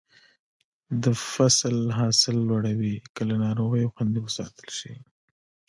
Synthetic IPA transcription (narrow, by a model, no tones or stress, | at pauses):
d̪əfaslɦɑsɪlːwaɽawikəlanɑɾoɣəjoxwand̪iwəsɑ̰t̪əlʃi